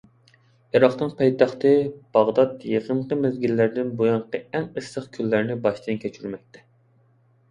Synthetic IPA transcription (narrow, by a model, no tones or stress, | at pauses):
eɾɑχnɨŋpʰɑjt̪ɑχt̪ɨb̥ɑʁd̪ɑt̪jeqʰəɴqəmɪzɡʲilːæɾd̪ɪnbojɑɴqəɛŋəsːəχkʲʰylːæɾnɪbɑʃt̪ɨnkʲʰɛt͡ʃʰyɾyɾmɛk̚ʲt̪ʰɛ̥